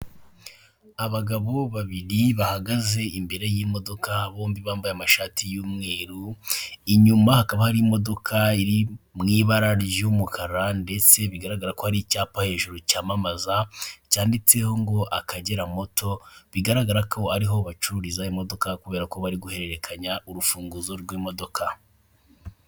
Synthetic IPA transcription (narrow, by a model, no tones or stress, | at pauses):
aβaɡaβo̞βaβiɾiβahaɡaze̞imbe̞ɾe̞jimo̞do̞kʰaːβo̞ːmbiβaːmbajamaʃaːtʰijuːmŋe̞ːɾuiɲumahakaβahaɾiːmo̞do̞kʰaiɾimŋiːβaɾaɾjumukʰaɾande̞t͡se̞βiɡaɾaɡaɾako̞haɾicaːpahe̞ːʒuɾucaːmamazacaːndit͡se̞ho̞ŋɡo̞ʔakʰaɟe̞ɾamo̞tʰo̞βiɡaɾaɡaɾakʰo̞aɾiɦo̞βat͡ʃuɾizaimo̞do̞kakuβe̞ːɾako̞βaɾiɡuhe̞ɾe̞ɾekʰaɲaʔuɾufuːŋɡuzo̞ɾɡwiːmo̞do̞kʰa